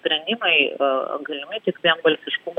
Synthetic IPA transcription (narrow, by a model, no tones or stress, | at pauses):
pʲɾʲɛnʲd̪ʲimɐɪ̰ɡɐlʲɪmʲɐt̪ʲɪkʋʲiɛmbɐlʲsʲɪʃkum